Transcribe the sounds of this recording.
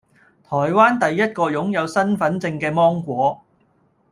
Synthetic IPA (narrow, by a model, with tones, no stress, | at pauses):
t̪ʰɔː˨˩jwaː˥nt̪ɐ˨jːɐ˥t̚kɔː˧jʊ˨˥ŋjɐ˨˧wsɐ˥nfɐ˨˥nt͡sɪ˧ŋkɛː˧mɔː˥ŋkʷɔː˨˥